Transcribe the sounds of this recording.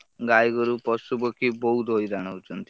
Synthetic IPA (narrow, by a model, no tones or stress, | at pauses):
ɡajɡɔɾupɔsubɔkʰibɔɦud̪ojɾaɽ̃awt͡ʃʰɔnt̪i